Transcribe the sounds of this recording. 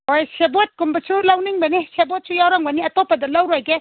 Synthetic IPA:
ojsebot̚kumbɐsulɐwniŋbɐnisebot̚sujawɾaŋbɐniɐtopɐdɐlɐwɾojɡe

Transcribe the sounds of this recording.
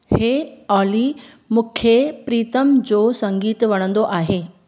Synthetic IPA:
heːɔːli | mʊ̃ːkʰepɾiːt̪əmd͡ʑoːsɐ̃ŋɡiːt̪ʋɐɽ̃ə̃nd̪oʔaːɦeː

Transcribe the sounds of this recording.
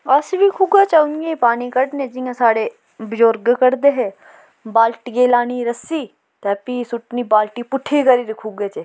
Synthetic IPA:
ɐsbikʰuɡat͡ʃɐʊnɡepaːnikɐɽnẽd͡ʒiːãsaːɽe | bɪd͡ʒoːɾɡkɐɾd̪eɦɛ̃ | baːlʈɡeːlaːniɾɐsi | t̪ɛːpiːsʊʈnibaːlʈipʊʈʰːikɐɾiɾikʰuɡet͡ʃe

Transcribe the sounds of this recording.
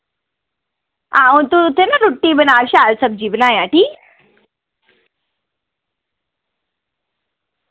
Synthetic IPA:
ãut̪ut̪enaɾuʈːibənaʋɕalsəb̚d͡ʑiʋnãjaʈi

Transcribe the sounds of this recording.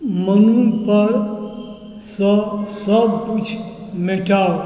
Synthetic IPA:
mənunpəɾ | səsəbkut͡ʃʰ | meʈa

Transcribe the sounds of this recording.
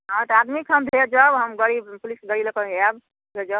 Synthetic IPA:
ɦãt̪əad̪mikʰɦəmd̪ʱed͡ʒəbɦəmɡəɽipulisɡəɽiləkəabʱ | ed͡ʒɔb

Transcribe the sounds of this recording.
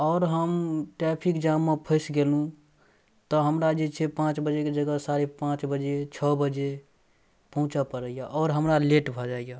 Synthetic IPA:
ɔʊɾɦəmʈɾɛpʰikd͡ʒamːepʰəɪsɡelũ | t̪ɔɦəmɾad͡ʒet͡ʃʰepãt͡ʃbəd͡ʒeked͡ʒəɡəsaɾepãt͡ʃbəd͡ʒet͡ʃʰəbəd͡ʒe | pəɦũt͡ʃəpəɾəjaʔɔːɾɦəmɾaleʈbʱɔd͡ʒaija

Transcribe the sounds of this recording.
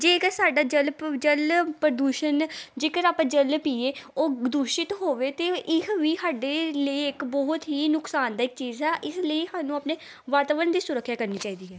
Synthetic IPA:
d͡ʒeːkəɾsaːɖaːd͡ʒəlpd͡ʒəlpɾəd̪uːʃənd͡ʒeːkəɾaːpãːd͡ʒəlpiːeːoːd̪ʊʃɪt̪ɦoːʋeːt̪eːʔɪkʋiːsaːɖeːləiɪkbɔɦʊt̪ɦiːnʊksaːnd̪aːɪk̚t͡ʃiːzɦɛːʔɪsləiːsaːnũːaːpneː | ʋaːɾt̪aːʋənd̪iːsʊɾəkʰʃjaːkəɾniːt͡ʃaːiːd̪iːɦɛː

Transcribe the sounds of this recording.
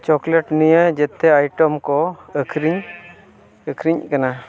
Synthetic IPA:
t͡ʃɔkleʈnijəd͡ʒɛt̪ɛajʈɔmkɔəkʰɾiɲ | əkʰɾiɲkana

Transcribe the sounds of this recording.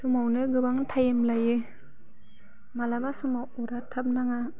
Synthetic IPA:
sumawnɯɡɯbaŋtʰajemlajɯ | malabasumawɔɾatʰap̚naŋa

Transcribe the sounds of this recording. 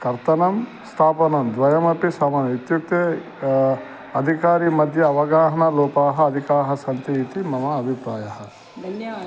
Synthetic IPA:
kɐɾt̪ɐnɐm | st̪ʰaːpɐnɐmd̪ʋɐjɐmɐpisɐːmɐnɐit̪juk̚t̪ɐ | ɐd̪ʱikaːɾimɐd̪ʱjɐːʋɐɡaːɦɐnɐloːpaːɦɐɐd̪ʱikaːɦɐsɐnt̪ɐit̪imɐmɐɐbʱipɾaːjɐɦɐ̆

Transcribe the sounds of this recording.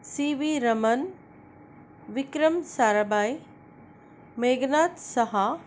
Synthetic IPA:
siːʋiːɾɐmɐn | ʋɪkɾəmsaːɾabaːi | meːɡnaːt̪sɐɦa

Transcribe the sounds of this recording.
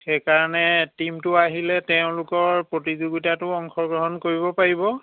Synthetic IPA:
xɛkaɹanɛtimtʊaɦilɛtɛʊ̃lʊkɔɹpɹotizuɡitatʊɔŋxɔɡɹɔɦɔnkoɹibɔpaɹibɔ

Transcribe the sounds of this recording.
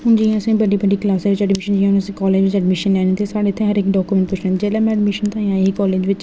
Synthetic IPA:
ɦʊnd͡ʒiːẽsẽbəɖiːbəɖiːklaːseʋɪt͡ʃəɖmɪʃənd͡ʒiẽɦʊnəsẽkɔːleːd͡ʒʋɪt͡ʃəɖmɪʃənlɛːneːt̪ʰesaːɽeːt̪ʰːẽɦəɾekɖɔːkuːmɛ̃ɳʈpʊt͡ʃneːt̪ed͡ʒɛːlɛmɛ̃ɖmɪʃənt̪ãːjãːɦikɔːleːd͡ʒʋɪt͡ʃ

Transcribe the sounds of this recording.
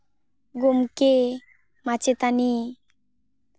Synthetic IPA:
ɡumke | mat͡ɕet̪ani

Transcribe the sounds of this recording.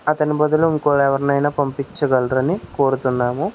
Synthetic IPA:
ɐt̪ɐnibɐd̪uluiŋkuːɽɐɛʋɐɾinɐjnɐːpɐmpit͡ʃːɐɡɐlɾɐnikoːɾut̪unːaːmu

